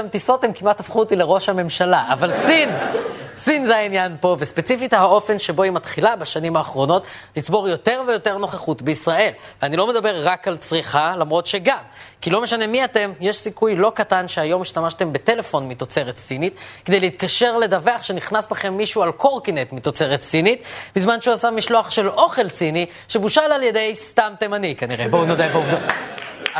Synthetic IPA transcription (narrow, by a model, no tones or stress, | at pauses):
amt̪iso̞temkimat̪afχut̪ileʁo̞ʃhame̞mʃalaavalsinsinzeainjanpo̞ve̞spet͡sifithao̞fe̞nʃebo̞imat̪χilabaʃanimaːχʁo̞no̞tlit͡sbo̞ʁjote̞ʁvejo̞te̞ʁno̞χeχutbeisʁae̞lveanilo̞me̞d̪abe̞ʁːakalt͡sʁiχalamʁo̞tʃeɡamkilo̞me̞ʃane̞miat̪e̞mjeʃsikujlo̞katanʃeajo̞miʃtamaʃte̞mbe̞te̞le̞fo̞nmit̪o̞t͡se̞ʁett͡sinit̪kked̪ejleit̪kaʃe̞ʁle̞d̪aveaχʃeniχnasbaχe̞mːiʃualko̞ʁkinet̪mit̪o̞t͡se̞ʁetsinit̪bizmanʃeuasamiʃlo̞aχʃe̞lo̞χe̞lt͡sini | ʃebuʃalaljede̞jst̪amtemanikaniʁebounodajbeuvd̪ot